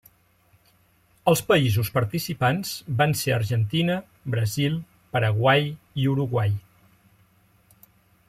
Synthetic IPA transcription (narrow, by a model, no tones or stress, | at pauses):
əlˠspəizuspəɾt̪isipanz̥banseəɾʒənt̪inə | bɾəzilˠ | pəɾəɣwaj | iuɾuɣwaj